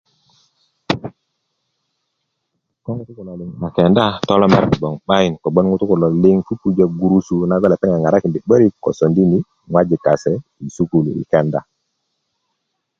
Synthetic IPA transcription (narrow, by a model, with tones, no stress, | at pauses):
ko˦ŋu˨˦tu˦ku˨lo˨li˨ŋma˨ke˨nda˦tɔ˦lɔ˦mḛ˦ɾkɔ˨bɔ˨ŋɓa˦ji˨nko˨bo˦nŋu˦tu˦ku˨lo˨li˦ŋfu˦pu˦d͡ʒa˦˨ɡu˨ɾu˦su˨na˦ɡɔ˦le˨pe˦ŋa˨ŋa˨ɾa˦ki˨nbi˨ɓə˦ɾi˦kːo̰˨so˨ndi˦ni˦ | ŋwa˦d͡ʒi˨ka˨se˨ | i˨su˦ku˨lṵ˨ḭ˨ke˨nda˦˨